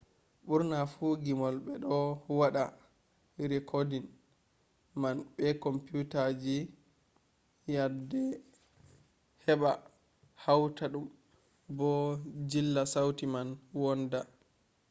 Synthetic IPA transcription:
ɓuɾnafuɡimɔlɓɛɗɔwaɗa | ɾikʰɔdin | manɓɛkɔmputad͡ʒi | jadɛ | hɛɓa | hawtaɗum | bɔd͡ʒilːasawtimanwɔnda

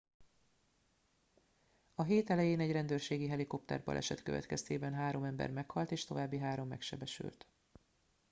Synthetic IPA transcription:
ɒɦeːt̪ɛlɛjeːnɛɟrɛnd̪øːrʃeːɡiɦɛliko̞p̚t̪ɛ̰rbɒ̰lʔɛ̰ʃɛt̪kø̞vɛ̰t̪kɛst̪eːbɛnɦaːɾo̞mɛmbɛ̰rmɛkhɒlt̪eːʃt̪o̞vaːbːiɦaːɾo̞mːɛ̰kʃɛ̰bɛʃy̰lt̪

